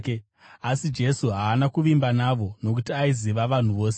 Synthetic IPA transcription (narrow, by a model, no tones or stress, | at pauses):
asid͡ʒe̞suɦaːnakuʋimbanaʋo̞no̞k̬utiaiziʋaʋan̤uʋo̞ːs̬e